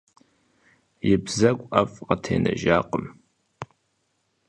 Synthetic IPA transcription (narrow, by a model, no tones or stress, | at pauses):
jɪbzɐkʷʼʔɐfʼqɐtʰeːnɐ̰ʒaːqʼəm